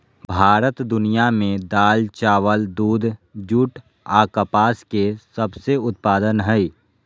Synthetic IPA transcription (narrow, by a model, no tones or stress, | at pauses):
bʱaːɾət̪d̪ʊnijamẽd̪aːlt͡ʃaːʋəld̪uːd̪ʱd͡ʒuʈ | aːkəpaːskesəbseʊt̪paːd̪ənɦɛi